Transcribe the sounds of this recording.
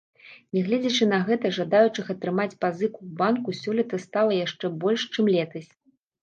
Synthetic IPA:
nʲɛɣlʲɛd͡zʲɐt͡ʂɨn̪ɐɣɛt̪ɐʐad̪ajut͡ʂɨxɐt̪ɾɨmat͡sʲpazɨkuːbankusʲɔlʲɛt̪ɐst̪alˠɐjaʂt͡ʂɛbɔlʲʂt͡ʂɨmlʲɛt̪ɐsʲ

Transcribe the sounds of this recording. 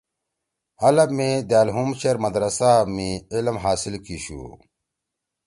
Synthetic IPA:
hɐlɐbmed̪jaːlɦumt͡ɕeɾmɐd̪ɾɐsamiilmɦaːsilkiɕṵ

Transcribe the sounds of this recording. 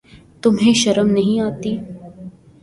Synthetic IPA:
t̪ʊmɦẽʃɐɾəmnɐɦĩaːt̪iː

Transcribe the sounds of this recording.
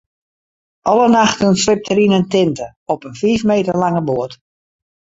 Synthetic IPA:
ʔɔlˠənaxtənsrɪp̚tʰəɾinəntɪntə | ɔpənfiːfmeːtərlaŋəboət

